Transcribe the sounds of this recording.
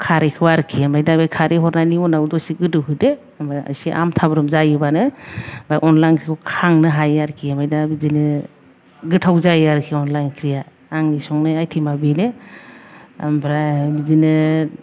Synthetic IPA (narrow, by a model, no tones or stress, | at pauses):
kʰaɾekʰɯbaɾkʰiamajdabajkʰaɾeɦɔɾnaniɔnawdɔsiɡɯdɯɦɯde | maa̰siʔa̰mtʰabɾumzajɯbanɯbajʔɔnlajnkʰɾikʰɔkʰaŋnɯɦajaɾkʰiamajdabizinɯ | ɡɯtʰawzajaɾkʰiɔnlajnkʰɾijaː | ŋnisɔŋnɯajtʰimabene | ambɾabizinɯ